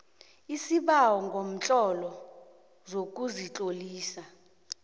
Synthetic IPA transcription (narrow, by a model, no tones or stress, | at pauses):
isiɓawɔŋɡʱom̩t͡ɬʼɔlɔ | zok̬ʼuzit͡ɬʼoliːsa